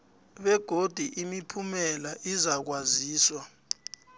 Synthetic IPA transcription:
ɓɛɡ̥ʱod̥ʱiʔimipʰumɛlaʔizak̬waziːswa

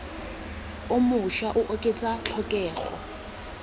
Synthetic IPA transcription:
ʊmʊʃaʔʊʔokʼet͡sʼat͡ɬʰɔkʼɛːχɔ

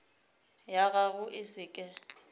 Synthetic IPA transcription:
jaɣaɣʊʔɪsɪkʼɛ

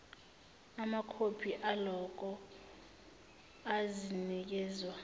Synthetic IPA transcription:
amakʰopʰiʔalɔk̬ɔ | azinik̬ɛːzwa

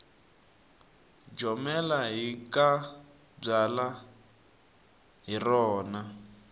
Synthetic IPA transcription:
d͡ʒɔmɛlaɦikʼa | b͡ʐala | ɦirɔːna

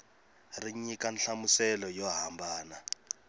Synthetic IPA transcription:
riɲikanɬamusɛlɔjɔɦambaːna

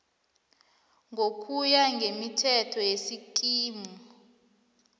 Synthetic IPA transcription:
ŋʱokʼujaŋɡʱemitʰɛtʰɔjesik̬ʼiːmɔ

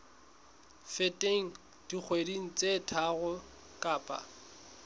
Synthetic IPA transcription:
fetʼeŋ̩ | d̥ik͡xʰwediŋ̩t͡sʼetʰaɣʊ | kʼaːpʼa̰

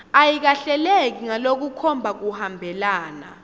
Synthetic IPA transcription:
ajik̬aɬɛlek̬iŋalok̬ukʰɔmbʱak̬uhambʱɛlaːna̰

